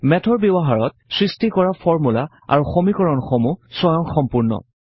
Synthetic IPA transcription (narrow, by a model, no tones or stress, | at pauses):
mɛtʰɔɹbibɔɦaɹɔt̚ | sɹistikɔɹafɔɹmula | a̰ɹuxomikɔɹɔnxomusɔjɔŋxɔmpuɹnɔ̰